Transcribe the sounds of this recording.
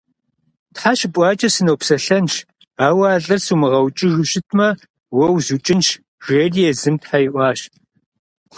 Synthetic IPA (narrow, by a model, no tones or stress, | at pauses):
tħaʃpʷʼɑːt͡ʃʼɐsɨnowpsɐɬɐnʃ | aːwɐːɮʼɨrsuːmɨʁɐwt͡ʃʼɪʒɨʃɪtʰmɐ | wɐwzut͡ʃʼɪnʃ | ʒ̥eːrijɛzɨmtħajɪʔʷɑːɕ